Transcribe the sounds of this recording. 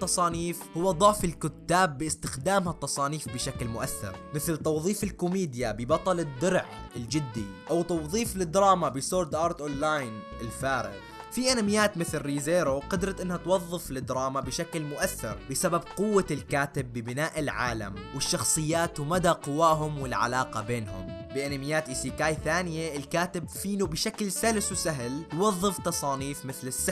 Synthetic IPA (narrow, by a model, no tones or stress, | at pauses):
t̪ːɑsˤɑːniːfhʊwːad̪ˤʊʕfɪlkʊt̪ːaːbːɪɪst̪ɪxd̪aːmhat̪ːɑsˤɑːniːfbɪʃaklmʊʔaθːɪ̰ɾmɪθlt̪ɑwðˤiːfɪlkʊmiːd̪jabɪbɑt̪ˤɑlɪd̪ːʊɾʕ | ɪld͡ʒɪd̪ːiʔawt̪ɑwðˤiːflɪd̪ɾˤɑːmabɪsoːɾd̪ʔɑːɾˤt̪ʔonːaːjn | ɪlfaːɾɪ̰ɣ | fiʔanamɪjːaːt̪mɪθlɾiːzeːɾoqɑd̪ɾˤɑt̪ʔɪnːhat̪wɑðˤːɨflɪd̪ɾˤɑːmabɪʃaklmʊʔaθːɪ̰ɾbɪsababqʊwːalkaːt̪ɪbːɪbɪnaːʔɪlʕa̰ːla̰mwɪʃːɑxsˤɨjːaːt̪wmad̪aqʊwːaːɦʊmwɪlʕa̰laːqɑbeːnɦʊ̰mbɪʔanamɪjːaːt̪ʔiːsikaːjθaːnɪjeɪlkaːt̪ɪbfiːnubɪʃaklsalswsaɦljwɑðˤːɨft̪ɑsˤɑːniːfmɪθlɪsːa